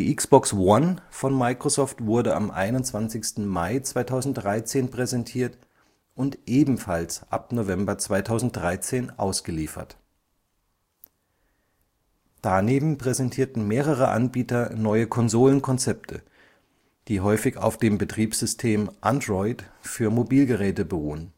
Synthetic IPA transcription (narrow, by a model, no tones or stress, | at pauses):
diːʔɪksb̥ɔkswanfɔnmaɪkʁ̥ozɔːftv̥ʊɐdəʔa̰mʔa̰ɪnʊntt͡sv̥ant͡sɪçstn̩maɪt͡sv̥aɪtʰaʊzn̩t̚d̥ʁaɪt͡seːnpʁ̥ɛzɛntʰiːɐt | ʔʊntʔeːbm̩falsʔa̰pnovɛmbɐt͡sv̥aɪtʰaʊzn̩t̚d̥ʁaɪt͡seːnʔa̰ʊsɡ̥əliːfɐ̰t | d̥aneːbm̩pʁ̥ɛzɛntʰiːɐtn̩meːʁ̞əʁ̞əʔa̰nbiːtɐnɔʏəkʰɔnzoːlənkʰɔnt͡sɛp̚tʰə̰ | d̥iːɦɔʏfɪça̰ʊfd̥eːmbətʁ̥iːpsz̥ʏstʰeːmʔandʁɔʏtfyːɐmobiːlɡəʁɛːtəbəʁuːən